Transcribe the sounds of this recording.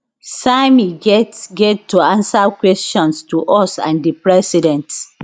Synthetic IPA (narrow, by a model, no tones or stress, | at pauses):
samiɡɛtɡɛttːuãnsakwɛstɔ̃nstuʔɔsã̰ndipɹɛsidɛ̃nt